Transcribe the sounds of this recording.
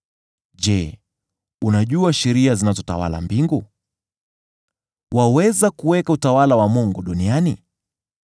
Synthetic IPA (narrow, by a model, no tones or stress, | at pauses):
ʄɛ | unaʄuaʃɛɾiazinazɔta̰wa̰la̰mbiŋɡu | wawɛzakuwɛkautawalawamuŋɡuɗunianḭ